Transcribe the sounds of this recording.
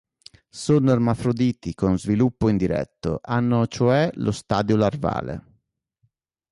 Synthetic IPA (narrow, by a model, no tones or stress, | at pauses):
sonoarmafɾod̪iːt̪ikonzvilupːoind̪iɾɛ̰t̪ːo̰ʔanːot͡ʃoɛlʔost̪aːd̪jolarva̰ːlḛ